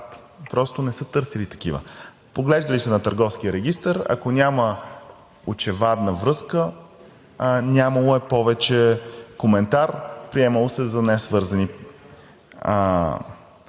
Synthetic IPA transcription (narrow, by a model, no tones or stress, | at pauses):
pɾɔst̪onɛsət̪ɤɾsɛlit̪ɐ̥k̟ivə̰ | poɡlɛʒd̪əlisɛnɐt̪əɾɡɔfskiəɾɛɡ̟ʲist̪əɾɐ̰konʲamə | ot͡ʃɛvad̪nəvɾɤskə | nʲaməlˠoɛpɔvɛt͡ʃɛkomɛnt̪aɾpɾiɛməlˠosɛzɐnɛsvɤɾzɐni